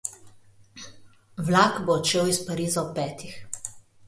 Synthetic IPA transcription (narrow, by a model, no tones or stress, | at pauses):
wlakboɔt͡ʃeːwispaɾiːzaɔpɛːt̪ix